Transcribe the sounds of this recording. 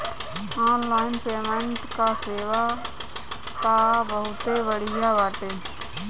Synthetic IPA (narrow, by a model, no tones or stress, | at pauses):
aːnlaːɪnpeːmẽɳʈkaseːʋaː | k̪abəɦʊt̪ebəɽ̤ɪjabaːʈeː